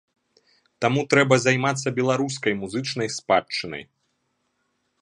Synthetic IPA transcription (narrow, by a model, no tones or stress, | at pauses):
t̪amut̪ɾɛbɐzajmat̪sːɐbʲɛlˠaɾuskɐjmuzɨt͡ʂn̪ɐjspat͡ʂːɨnɐ̰j